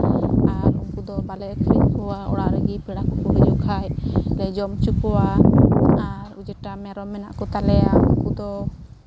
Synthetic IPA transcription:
aɾuŋkud̪ɔbalɛʔkʰɾimkɔwaɔ̰ɽaɾəɡipiɽakɔkubɛd͡ʒukʰajlɛd͡ʒɔmt͡ʃukɔwa | aɾud͡ʒɛʈamɛɾɔmːɛna̰ʔkɔt̪alɛjaṵŋkud̪ɔ

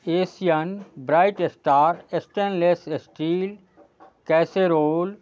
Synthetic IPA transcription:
eːsijənbɾaːɪʈesʈaːɾesʈənlesesʈiːl | kɛːseɾoːl

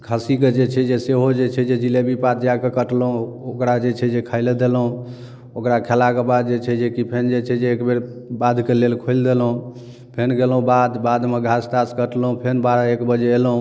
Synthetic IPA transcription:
kʰəsiked͡ʒet͡ʃʰɛd͡ʒeseɦod͡ʒet͡ʃʰɛd͡ʒed͡ʒilebipat̪d͡ʒakekəʈlɦũokɾad͡ʒet͡ʃʰɛd͡ʒekʰəɪled̪elɦũ | okɾakʰelakebad̪̚d͡ʒet͡ʃʰɛd͡ʒekipʰend͡ʒet͡ʃʰɛd͡ʒeːkbeɾ | bad̪ʱkelelkʰojld̪elɦũ | pʰenɡelɦũbad̪bad̪meɡʱasʈaskəʈlɦũpʰenbaɾaekbəd͡ʒeelɦũ

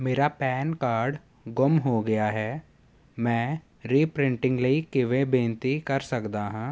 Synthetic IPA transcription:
meːɾapɛːnkaːɾɖ | ɡʊmɦoɡɐjaɦɛː | mɛ̃ː | ɾiːpɾɪ̃ɳʈɪ̃ŋɡləiːkːɪʋẽbẽːnt̪ikɐɾsɐkd̪aɦãː

